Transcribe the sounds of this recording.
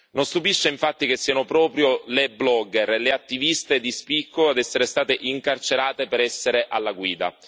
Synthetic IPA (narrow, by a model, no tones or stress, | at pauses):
nonst̪upiʃːeiɱfat̪ːikesːiːanopɾɔːpɾjoleblɔɡːɛrleat̪ːivist̪ed̪ispikʰːoad̪ɛsːeɾest̪aːt̪eʔiŋkart͡ʃeɾaːt̪epeɾɛsːeɾeʔalːaɡwiːd̪a̰